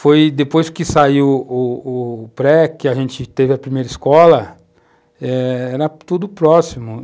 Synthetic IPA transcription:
fojd̪epojskɪsaiwʊʊpɾɛkɪaʒẽt͡ʃɪt̪evɪɐpɾimejɾɐiskɔlɐ | ɛɛɾɐt̪ud̪ʊpɾɔsimʊ

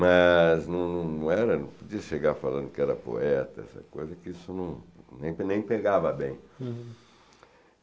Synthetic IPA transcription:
mɐznɐ̃w̃nɐ̃w̃nɐ̃w̃ɛɾɐnɐ̃pod͡ʒiɐʃeɡaɾfalɐ̃nd̪ʊkɪɛɾɐpo̰ɛt̪ɐɛ̰sɐ̰kojzɐkɪisʊnɐ̃w̃nẽj̃pnẽj̃peɡavɐbẽj̃

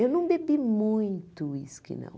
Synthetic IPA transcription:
ewnɐ̃w̃bebimũj̃t̪ʊḭsʊ̥kɪ̰nɐ̰̃w̃

